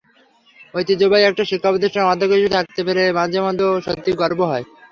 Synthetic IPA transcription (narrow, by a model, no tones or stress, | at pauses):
ojt̪id͡ʑobajɛk̚ʈaʃikʰːapod̪ʱiɾʃɔmad̪ʱokit͡ɕʰut̪ʰak̚t̪epeɾemad͡ʑʱemad̪oʃot̪ːiɡɔɾboɦɔe